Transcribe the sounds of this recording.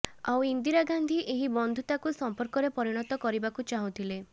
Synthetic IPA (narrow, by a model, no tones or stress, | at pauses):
a̰wind̪iɾaɡand̪ʱiʔeɦibɔnd̪ʱut̪akusɔmpɔɾkɔɾepɔɾiɽ̃ɔt̪ɔkɔɾibakut͡ʃaɦũt̪ʰile